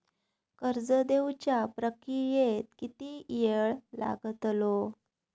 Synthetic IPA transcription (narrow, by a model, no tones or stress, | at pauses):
kəɾd͡zəd̪ewt͡ɕjapɾəkijet̪kit̪ijeɭla̰ɡət̪lo